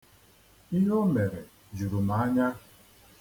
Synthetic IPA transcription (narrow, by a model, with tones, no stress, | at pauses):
i˦ɦo˦me˨ɾe˨ | d͡ʒu˨ɾu˨m̩˨a˨˦ɲa˦